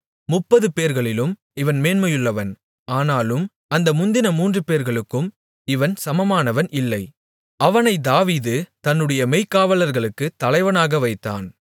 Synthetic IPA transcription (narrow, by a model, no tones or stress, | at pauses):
mʊpːɐðɯpeːɾɣɐɭɪlɯm | ɪʋɐnmeːnmɐjɯɭːɐʋɐn | aːnaːlɯm | ɐnd̪ɐmʊnd̪ɪnɐmuːndrɯpeːɾɣɐɭɯkːɯm | ɪʋɐnsɐmɐmaːnɐʋɐnɪlːɐɪ | ɐʋɐnɐɪd̪aːʋiːðɯt̪ɐnːɯɽɐjɐmɐɪkːaːʋɐlɐɾɣɐɭɯkːɯt̪ːɐlɐɪʋɐnaːɣɐʋɐɪt̪ːa̰ːn